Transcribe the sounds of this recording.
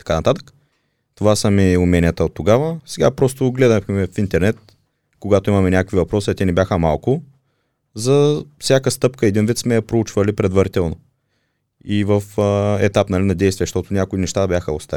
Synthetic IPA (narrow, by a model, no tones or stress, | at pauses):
t̪ɐ̥kanɐt̪at̪ə̥kə̥ | t̪ovasəmiumɛnʲiət̪əot̪ːoɡavəsɛɡapɾɔst̪oɡlɛd̪əxmɛfint̪ɛɾnɛt̪̚ | koɡat̪ʊimɐmɛnʲakəkvivɐpɾɔsiɐt̪ɛnɛbʲjaxəmalˠkʊ | zɐfsʲjakəst̪ɤpkəɛd̪invit̪smɛjɐpɾout͡ʃvəlipɾɛd̪vɐɾit̪ɛlˠno | ivəfɛ̰t̪apnɐlinɐd̪ɛjst̪vʲiɛʃt̪ɔt̪ʊnʲakʊinɛʃt̪abʲjaxəost̪a